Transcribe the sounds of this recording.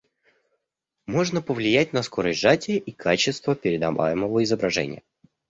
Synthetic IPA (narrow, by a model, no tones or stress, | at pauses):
mo̞ʐnəpəvlʲɪjætʲnɐsko̞ɾəsʲʐatʲɪʔikʰat͡ɕɪst̪vəpʲɪɾʲɪd̪ɐ̰va̰jɪməvəɪzəbɾɐʐɛ̰nʲɪ̰jə